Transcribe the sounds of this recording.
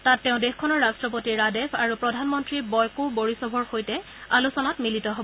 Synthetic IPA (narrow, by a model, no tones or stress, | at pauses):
tatːɛʊ̃dexkʰɔnɔɹːastɹɔp̬otiɹadepʰaɹupɹɔdʱanmɔntɹibɔjkuboɹisɔbʱɔɹxojtɛ | alusɔnatmilitɔɦobɔ